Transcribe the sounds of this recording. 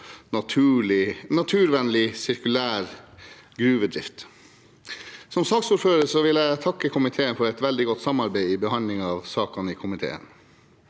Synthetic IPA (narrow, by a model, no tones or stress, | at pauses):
ɑt̪ʰʉːlɪnɑt̪ʰʉːɾʋɛnlɪsɪɾkʉlæːɾɡɾʉːʋəd̪ɾɪ̰ft̪ | sɔmsɑksuːɾføːɾəsɔʋɪlæɪt̪ʰɑkːəkʰʊmɪt̪ʰeːənfɔɾɛɪt̪ʋɛld̪ɪɡɔt̪ːsɑmɑɾbeɪibəhɑnlɪŋɑːʋsɑːkɑnikʰʊmɪt̪ʰḛːə̰n